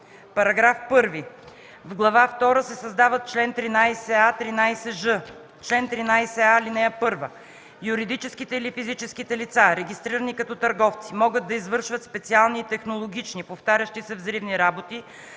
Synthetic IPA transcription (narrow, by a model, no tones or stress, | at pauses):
pɐɾɐɡɾafpɤɾvi | vɡlˠɐvaft̪ɔɾəsɛsɐzd̪avət̪̚t͡ʃlɛnt̪ɾinajsɛat̪ɾinajsɛʒɤ | t͡ʃlɛnt̪ɾinajsɛalinɛjəpɤɾvə | juɾid̪it͡ʃɛskit̪ɛilifizit͡ʃɛskit̪ɛlit̪saɾɛɡʲist̪ɾiɾənikɐt̪ɔt̪ɐɾɡɔft̪simɔɡəd̪d̪ːɐizvɤɾʃvət̪spɛt̪sialˠniːt̪ɛxnolˠoɡ̟ʲit͡ʃnipoft̪aɾʲəʃt̪isɛvzɾivniɾabot̪i